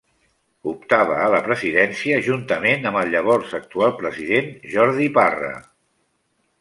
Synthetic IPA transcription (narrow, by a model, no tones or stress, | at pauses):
up̚t̪aβ̞əːləpɾəziðɛnsiəʒunt̪əmenəmbəlˠʎəβ̞ɔɾzək̚t̪ualˠpɾəziðenʒɔɾðiparə̰